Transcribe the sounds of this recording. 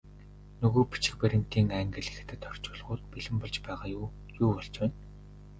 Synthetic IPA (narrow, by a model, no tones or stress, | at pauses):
nɵɣɵːpi̥t͡ɕɪ̆xpæɾʲɪ̆m̥t̪ʰiːŋæŋɡɘ̆ɮɘ̆xt̪ʰɘ̆t̪œr̥ʲt͡ɕʊːɮʁʊːt̪̚piɮɘ̆mpɔɮt͡ɕpæːʁaːj | juːpɔɮt͡ɕpæːn